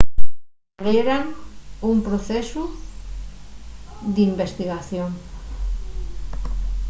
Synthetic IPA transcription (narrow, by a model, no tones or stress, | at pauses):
ɣeɾanumpɾoθesu | ðimbest̪iɣaθjoŋ